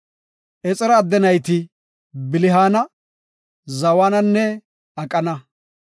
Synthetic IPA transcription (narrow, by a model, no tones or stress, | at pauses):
ʔɛt͡sʼɛɾɐːd̪ːɛnɐjt̪ɪ | bɪlɪɦaːnɐ | zɐwaːnɐnːɛ | ɐkʼɐnɐ